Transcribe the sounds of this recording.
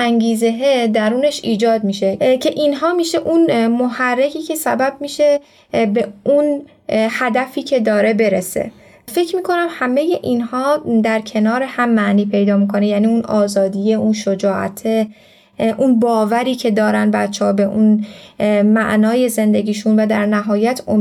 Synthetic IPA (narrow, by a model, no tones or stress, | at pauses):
æŋɡiːzeɦed̪æɾuːne̞ʃiːd͡ʒɒːd̪miːʃe̞cʰe̞ʔinɦɒːmiːʃe̞ʔunmohærːecʰiːcʰe̞sæbæb̚miːʃe̞ | be̞ʔun | hæd̪æfiːcʰe̞d̪ɒːɾe̞be̞ɾese̞̰ | fe̞cʰmiːkʰo̞næmhæme̞je̞ʔiːnhɒːd̪æɾcʰe̞nɒːɾehæmːæʔniːpʰejd̪ɒːmikʰo̞nejæniːunɒːzɒːd̪ije̞ʔunʃod͡ʒɒːʔæ̰t̪ʰe | ʔunbɒːvæɾiːcʰe̞d̪ɒːɾænbæt̪t͡ʃʰːɛhɒbe̞ʔun | mæ̰ʔnɒːje̞ze̞nd̪e̞ɡʲiːʃunvæd̪æɾnæɦɒːjæt̪ʰo